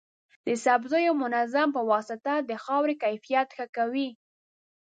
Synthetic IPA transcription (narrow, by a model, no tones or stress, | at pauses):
d̪əsabzojomʊnazampəwɑsɪt̪ad̪əxɑwɾekajfijat̪xəkawi